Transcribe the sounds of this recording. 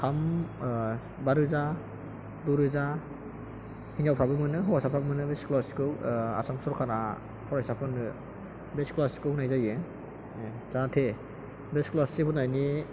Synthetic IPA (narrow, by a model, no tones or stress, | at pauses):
kʰam | baɾɯza | duɾɯza | hind͡ʒawpʰɾabɯmɯnɯɦɔwasapʰɾabɯmɯnɯbesklɔskɯwa̰samsɔɾkʰaɾa | pʰɔɾajsapʰɯnɯ | besklasi̥kɯhunajzajɯ | zatʰe | besklasipʰɔtnajni